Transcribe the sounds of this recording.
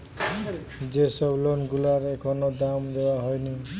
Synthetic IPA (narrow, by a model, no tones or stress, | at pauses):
d͡ʒesɔblɔnɡulaɾeekʰɔnɔd̪amd̪ewaɦɔjni